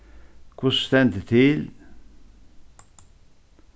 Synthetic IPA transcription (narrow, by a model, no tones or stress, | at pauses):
kʰʊsst̪ɛnd̪ət̪ʰɪl